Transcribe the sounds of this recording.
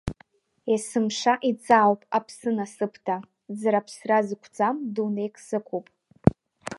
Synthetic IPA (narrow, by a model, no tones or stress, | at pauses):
esɨmʂaʔit͡sʼaːwpʼapʰsɨnasɨpʰtʰa | zaɾapʰsrazɨkʷʰd͡zamdunejkʼsɨkʷʰupʼ